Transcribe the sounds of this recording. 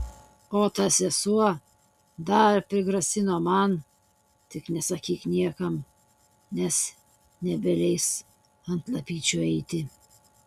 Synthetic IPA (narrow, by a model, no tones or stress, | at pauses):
oːt̪ɐsʲɛsuɔ | d̪ɐɾpʲɾʲɪɡɾɐsʲɪnoːmɐn | t̪ʲɪknʲɛsɐkʲiːknʲiɛkɐm | nʲɛs | nʲɛbʲɛlʲɛɪs | ɐnt̪lˠɐpʲiːt͡ʃʲuːɛɪt̪ʲɪ